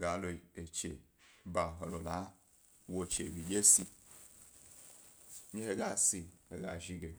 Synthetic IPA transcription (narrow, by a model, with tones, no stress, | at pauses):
ɡa˨˦lo˨e˨t͡ʃḛ˨ | ba˨ɦo˨lo˨la˨˦ | wo˨t͡ʃe˨wi˨d͡ʒe˦si˦ | ɲe˦he˨ɡa˦˨si˨he˨ɡa˨ʒi˦ɡe˨